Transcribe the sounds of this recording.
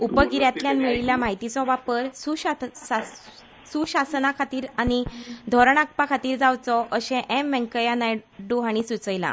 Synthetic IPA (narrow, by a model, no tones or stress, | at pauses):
upəɡiɾjat̪ljanmiɭiljamaɦit̪it͡sɔʋapəɾsuɕaa | suɕasnakʰat̪iːɾañid̪ʱɔɾɳak̚pakʰat̪iːɾd͡zawt͡sɔʔəɕɛ̃ʔɛmʋɛ̃ŋkəjanajɖuɦaɽ̃isut͡səjlã̰